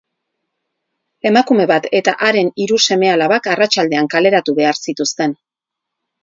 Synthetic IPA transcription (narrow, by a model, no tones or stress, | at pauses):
e̞makume̞βat̪e̞t̪a̰ʔaɾe̞niɾuse̞me̞alaβakarat͡ʃald̪e̞aŋkale̞ɾat̪uβe̞aɾsit̪ust̪e̞n